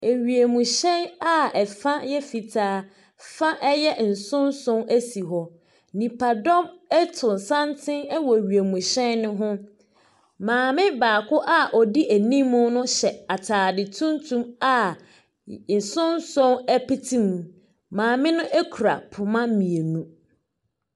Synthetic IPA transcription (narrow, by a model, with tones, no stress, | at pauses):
e˨ɥi˨e˨mũ˨ɕɛ˦na˦ɛ˨fã˦jɛ˦fi˨tʰaː˨˦ | fã˦ʔɛ˦jɛ˦n̩˨sʊ̃˦nsʊ̃˦næ˦si˨ɦɔ˨ | nĩ˨pʰa˨dɔ˦mɛ˦tʰʊ̃˨n˨sã˦ntʰɪ̃˦nɛ˦wɔ˨ɥi˨e˨mũ˨ɕɛ˦nːʊ̃˦ɦʊ̃˦ | mãː˨mɪ̃˦baː˨kʰʊ˦ʔa˦ʔɔ˨di˦ʔæ˨nĩ˦mːʊ̃˦nʊ̃˦ɕɛ˨a˨tʰaː˨dɪ˨tʰũ˦ntʰũ˦ma˦ | n̩˨sʊ̃˦n˦sʊ̃˦nɛ˦pi˦tʰĩ˦m˨ | mãː˨mɪ̃˦nʊ̃˦ʔɛ˦kʰu˨ɾa̰˨pʰʊ˨mã˦mĩ˨e˨nũ˦